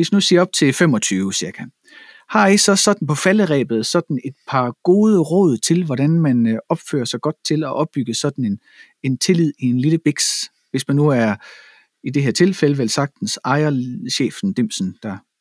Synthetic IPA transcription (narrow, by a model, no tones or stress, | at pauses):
e̝snusiːɐɒ̽b̥̚t͡sʰe̝lfem̰ɒ̽t͡sʰyːʊəsiɐɡ̥æ | hɑ̈e̥sɒ̽sɒ̽d̥n̩pʰɒ̽fæləʁɛ̰ːb̥ð̞̩ˠsɒ̽d̥n̩e̝d̥̚pʰɑ̈ɡ̥o̝ːð̞ˠəʁɔ̰̽ːð̞̰ˠt͡sʰe̝lʋɒɾænmænɒ̽b̥fø̰ːɐsɑɡ̥ɒ̽d̥̚t͡sʰe̝lɒ̽ʔɒ̽b̥ːyɡ̥əsɒ̽d̥n̩en | e̝nt͡sʰe̝lið̞̰ˠie̝nliləb̥eɡ̥s | ʋe̝smænːuæɐ | id̥e̝ɦeɐ̰t͡sʰe̝lfeləʋelsɑ̈ɡ̥̚d̥n̩sɑ̈ɪɐɕḛːfn̩d̥e̝m̰sn̩d̥æ